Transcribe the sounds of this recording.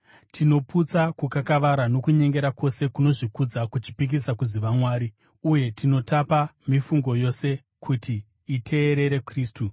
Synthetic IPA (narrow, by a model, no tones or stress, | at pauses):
tʰino̞pʰut͡sakukakaʋaɾano̞kuɲe̞ŋɡe̞ɾako̞se̞kuno̞ʐikud͡zakut͡ʃi̥pik̬isakuziʋamwaːɾi | uje̞tino̞tapamifuŋɡo̞jo̞se̞ | kʰutiː | tʰe̞ːɾe̞ɾe̞kriːstu